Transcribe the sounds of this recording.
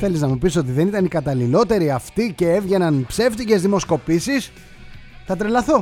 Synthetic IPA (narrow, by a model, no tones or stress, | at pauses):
θe̞liznɐmupiso̞t̪̬iðe̞nit̪ɐnikɐt̪ɐlilo̞t̪e̞ɾiɐft̪ice̞evʝe̞nɐnpse̞ft̪ice̞zðimo̞sko̞pisis | t̪ɐt̪ɾelɐθo̞